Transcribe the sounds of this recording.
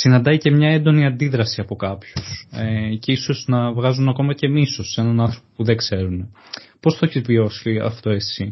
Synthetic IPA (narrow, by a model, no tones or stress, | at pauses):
sinɐnd̪ɐice̞mɲɐe̞nd̪o̞niɐnd̪iðɾɐsiɐpo̞kɐpçusece̞iso̞znɐvɣɐzunɐko̞mɐce̞miso̞se̞nɐnɐnθɾo̞popuðeɡse̞ɾune | po̞st̪oeçizvio̞siɐ̰ft̪o̞e̞si